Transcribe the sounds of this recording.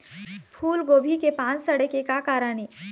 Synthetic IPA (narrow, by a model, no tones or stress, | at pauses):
pʰuːlɡoːbʱikepãːnt͡ʃsɐɽekekakaːɾəniː